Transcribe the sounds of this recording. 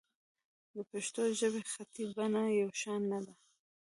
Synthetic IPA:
d̪əpeʃt̪oʒəbexat̪ibanajawʃɑnːad̪a

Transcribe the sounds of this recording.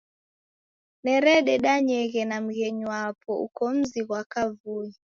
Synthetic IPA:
nɛɾɛɗɛɗaɲɛɣɛnam̩ɣɛɲwapɔṵkɔm̩ziɣwakavui

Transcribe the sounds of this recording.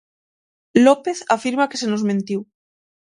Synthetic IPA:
lopeθafiɾmakesenozmẽnt̪iw

